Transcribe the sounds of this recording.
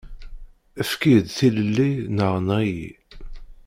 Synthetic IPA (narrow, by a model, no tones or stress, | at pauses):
əfkid̪θiləlːinəʁnʁijḭ